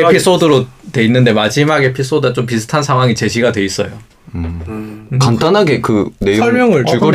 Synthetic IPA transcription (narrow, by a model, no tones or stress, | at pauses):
epʰis͈odɯɾotwe̞inːɯnde̞mad͡ʑimaɡe̞pʰis͈odɯɡat͡ɕomp̬isʰɯ̥tʰansʰaŋɦwaŋit͡ɕe̞ɕʰiɡadwe̞is͈ʌjo | kantanɦaɡe̞kɯne̞joʌɭmjʌŋɯɭ